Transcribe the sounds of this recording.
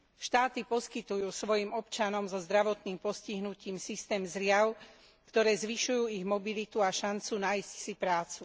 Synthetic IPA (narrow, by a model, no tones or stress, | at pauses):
ʃt̪aːt̪ipɔskit̪ujuːsʋɔjimɔpt͡ʃanɔmzɔzd̪ɾaʋɔt̪niːmpɔsciɦnuciːmsist̪ɛːmzɾɪaʊ | kt̪ɔɾɛːzʋiʃujuːiɣmɔbilit̪uaʃant͡sunajscsipɾaːt͡su